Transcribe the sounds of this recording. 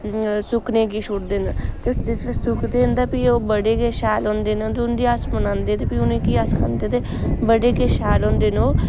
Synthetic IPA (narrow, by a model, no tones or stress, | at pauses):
sʊkneːkiːʃʊʈd̪eːnt̪ed͡ʒɪssʊkd̪eːnd̪aːpiːoːbəɽeːkeːʃaːlɦõːnd̪eːnːt̪eʊnd̪iːasmənãːnd̪eːt̪eːpiːʊnẽːkiːaskʰand̪eːt̪eː | bəɽeːkeːʃaːlɦõːnd̪eːnoː